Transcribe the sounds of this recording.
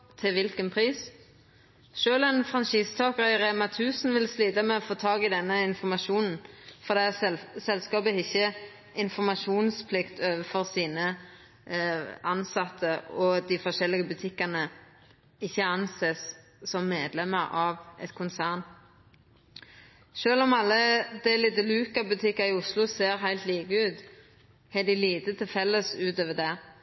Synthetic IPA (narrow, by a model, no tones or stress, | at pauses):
t̪ʰɪʋɪlkənpʰʁiːs | ʃøːlɛnfʁɑnʃiːst̪ʰɑːkəʁɑʁeːmɑt̪ʰʉːsn̩ʋɪlslyːd̪əmɛɔfoːt̪ʰɑːɡɪd̪ɛnːəɪnfɔmɑʃuːnn̩fɔʁd̪ɛːsɛlskɑːbəɪçːə | ɪnfɔmɑʃuːnspʰlɪkt̪ʰøːʋəfɔʁsiːnə | ɑnsɑt̪ʰːəɔd̪ɪfɔʁʃɛlːɪɡəbʉt̪ʰɪkːənə | ɪçːəɑnseːs | sɔmːeːd̪lɛməɾɑːʋʔɛ̰t̪kʰʊnsæːʁn | ʃøːlɔmɑlːəd̪æliːt̪əlʉːkɑbʉt̪ʰɪkːəʁɪʊslʊseːʁɦæɪlt̪liːkəʉːt̪ | hɛd̪ɪliːt̪ət̪ʰɪlfɛlːəsʉːt̪øːʋəd̪ɛ